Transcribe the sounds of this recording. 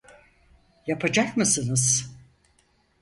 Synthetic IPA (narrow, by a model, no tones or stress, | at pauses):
japʰad͡ʒakmɯsɯnɯz̥